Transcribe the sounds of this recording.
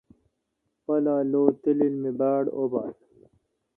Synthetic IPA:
pɐlaːloːt̪ililmibaːɽo̰ba̰ːl

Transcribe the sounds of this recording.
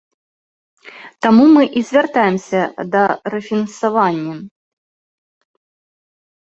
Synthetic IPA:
t̪amumɨʔizʲvʲart̪ajɛmsʲɐd̪ɐɾɛfʲinɐnsavanʲːɐ

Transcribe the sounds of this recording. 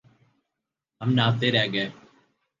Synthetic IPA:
ɦəmnaːt̪eːɾɛːɡəeː

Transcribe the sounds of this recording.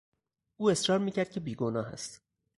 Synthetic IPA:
uːe̞sɾɒːɾmiːcʰæɾd̪̚cʰebiːɡonɒːɦæ̰st̪

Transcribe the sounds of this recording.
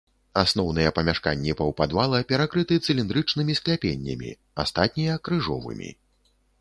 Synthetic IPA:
asn̪ɔwn̪ɨjɛpɐmʲaʂka̰nʲːipɐwpad̪valˠɐpʲɛɾakɾɨt̪ɨt̪sɨlʲind̪ɾɨt͡ʂnɨmʲisklʲapʲenʲːɐ̰mʲḭ | a̰st̪at̪̚ʲnʲijɐkɾɨʐɔvɨ̰mʲḭ

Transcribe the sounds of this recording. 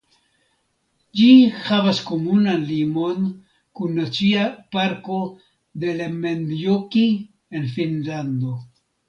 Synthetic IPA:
d͡ʒihavasko̞munanlimo̞n | kunːat͡siapaɾko̞ | d̪e̞lamendjoki | e̞nfinland̪o̞

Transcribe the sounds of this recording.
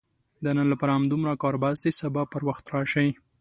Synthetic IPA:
d̪ənanlapaɾaamd̪umɾakɑɾbasisabɑpːəɾwaxt̪ɾɑʃaj

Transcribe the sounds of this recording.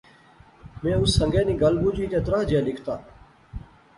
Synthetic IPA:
mẽːʊsːəŋɡeːnĩːɡəlbuːd͡ʒiːt̪eːt̪ɾaːd͡ʒẽːlɪkʰt̪aː

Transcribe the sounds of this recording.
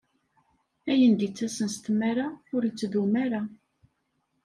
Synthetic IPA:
æjənd̪it͡sːæsənst̪mːæɾaʊɾit͡sːðumæɾa

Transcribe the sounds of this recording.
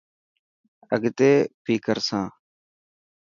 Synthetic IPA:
əɡt̪eːpiːkəɾsãː

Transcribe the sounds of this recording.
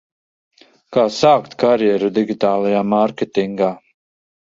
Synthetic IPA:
kaːsaːkt̪kaɾjɛɾud̪iɡʲit̪aːlˠajaːmaɾkʲet̪iŋɡaː

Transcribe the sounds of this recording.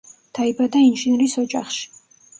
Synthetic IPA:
d̪̥aibad̪ainʒinɾisɔd͡ʒʼa̰χʃi̥

